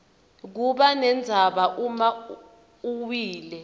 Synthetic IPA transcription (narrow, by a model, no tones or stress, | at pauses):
k̬uɓanɛnd͡zʱaɓaʔuma | uwiːlɛ